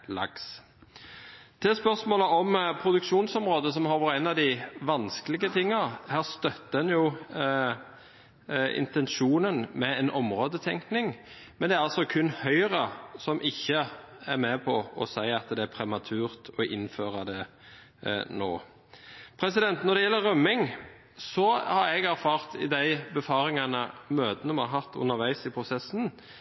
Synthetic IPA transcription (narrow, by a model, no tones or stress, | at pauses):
lɑ̰ɡs | t̪ʰɛspœʁsmoːləʔɔmpʰɾʊd̪ʉkʂuːnsɔmʁoːd̪əs̬ɔmhɑɾʋɑʁænɑʋd̪ɪʋɑnskəlɪɡət̪ʰɪŋːɑhæːʁst̪œt̪ːəɛnjʊ | ɪ̰nt̪ɛnʃuːnənmɛɛnʔɔmʁoːd̪ət̪ʰɛŋknɪŋ | mɛnd̪ɛæɾʁɑlsɔkʰʉnhœʏʁəsɔmʔɪçːə | æɾmɛpʰɔɔsæɪɑt̪d̪ɛæɾpʰɾɛmɑt̪ʰʉːʁt̪ʰɔʔɪnføːʁɑd̪ɛ | noː | pʰɾɛsɪd̪ɛnt̪nɔɾd̪ɛjɛlːəʁœmːɪŋ | sɔhɑɾɛɡæɾfɑːʁt̪ɪd̪æɪbəfɑːɾɪŋɑnəmøːd̪ənəɔmɑɦɑt̪ːʉ̰nːəʋæɪsɪpʰʁʊsɛsːn̩